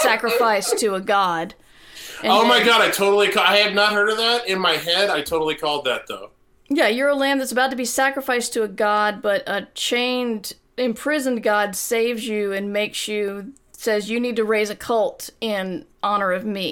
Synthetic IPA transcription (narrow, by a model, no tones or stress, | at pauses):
sækɹɨfaɪstʰɨːɡɑd | ɨ̃oʊmaɪɡɑɾaɪtʰoʊɾl̩ˠikʰaɪɨvnət̚ɦɜ˞ɾʌvðæɾɪ̃nmaɪɦɛɾaɪtʰoʊɾl̩ˠikʰɔlˠd̪̚ðɨt̪̚ðo̰ʊ | jæjə˞əlæ̃mðɨtsəbaʊtɨbisækɹɨfaɪstʰɨːɡɑd̚bʌɾət͡ʃʰẽɪ̃nd | ɪ̃mpʰɹ̥ɪzɨ̃nɡɑdseɪvzjʉɨ̃nmeɪksjɨ | sɛzjɨnid̚tɨɹeɪzɨkʰʌlˠtɪ̃nʔɑnə˞ʌvmi